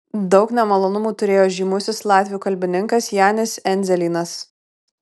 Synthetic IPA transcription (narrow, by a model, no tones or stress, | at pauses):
d̪ɒʊknʲɛmɐlˠoːnʊmuːt̪ʊɾʲeːjoːʒʲiːmʊsʲɪslˠɑːt̪ʲʋʲɪjuːkɐlʲbʲɪnʲɪŋkɐsjæːnʲɪsɛnʲzʲɛlʲiːnɐs